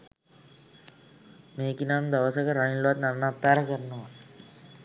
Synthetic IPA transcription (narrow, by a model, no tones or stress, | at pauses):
meːkinaːnd̪aʋəsəkəɾaɳilloʋat̪naɾnat̪aːɾəkəɾənəʋa